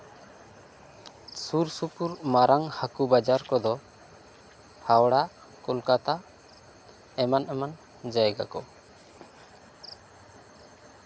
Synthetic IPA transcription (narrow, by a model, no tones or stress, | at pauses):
suɾsupuɾmaɾʔaŋhakubad͡ʒaɾkɔd̪ɔ | hawɽa | kɔlkat̪a | ɛmanʔɛman | d͡ʒajɛɡa̰kɔ̰